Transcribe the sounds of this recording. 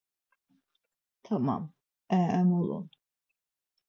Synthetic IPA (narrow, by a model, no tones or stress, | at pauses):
t̪ʰama̰m | ɛɛmulṵn